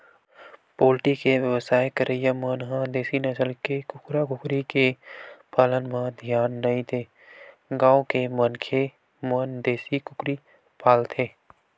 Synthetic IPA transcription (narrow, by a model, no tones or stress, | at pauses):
poːlʈikeʋjəʋsaːjkəɾʔəjamənɦãd̪eːsinəsəlkekʊkɾakʊkɾikepaːlənmãd̪ʱjaːnːɐɦĩt̪ʰeː | ɡãːokemənkʰe | mənd̪eːsikʊkɾi | paːlt̪ʰeː